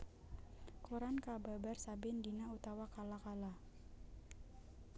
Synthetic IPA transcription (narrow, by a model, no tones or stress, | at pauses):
koɾankababarsabɪndinaut̪awakalakala